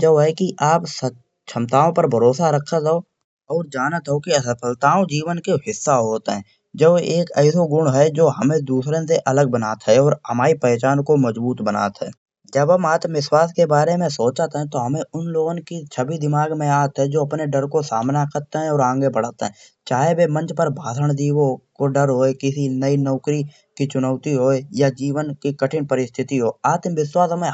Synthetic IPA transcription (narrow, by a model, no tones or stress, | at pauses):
d͡ʒəbɦɛkiʔaːpsə | t͡ʃʰəmt̪aːõpəɾbʱəɾoːsaɾəkʰat̪ao | ɔːɾd͡ʒaːnat̪ɦɛokiɐsəpʰəlt̪aːõd͡ʒiːʋənkeɦɪsːaɦoːt̪eɦɛ̃ː | d͡ʒəbeːkɛːsoɡʊɽ̃ɦɛd͡ʒoːɦɐmẽd̪uːsɾẽseʔɐləɡ̚bənaːt̪ɦɛɔːɾhəmaːipət͡ʃaːnkoməzbuːt̪bəna̰ːt̪ɦɛ̰ː | d͡ʒəbɦɐmaːt̪ʋɪswaːskebaːɾemẽsoːt͡ʃət̪ɦɛ̃t̪oɦɐmẽʊnloːɡõnkit͡ʃʰəbid̪ɪmaːɡmẽaːt̪ɦɛd͡ʒoːɐpneɖəɾkosaːmnakɐɾt̪eɦɛ̃ɔːɾãːŋɡebəɽ̤ət̪ɦɛ̰̃ | t͡ʃaːɦebemə̃nt͡ʃpəɾbaːd̪ʱəɽ̃d̪iːwokoɖəɾɦoːekɪsinəinɔːkɾi | kit͡ʃʊnəʊt̪iɦoːejad͡ʒiːʋənkikəʈʰɪnpəɾɪst̪ʰɪt̪iɦoːaːt̪ʋɪswaːsɦəmẽ